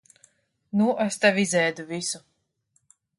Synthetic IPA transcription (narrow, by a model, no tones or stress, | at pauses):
nuʔest̪avʲizɛjd̪uvisu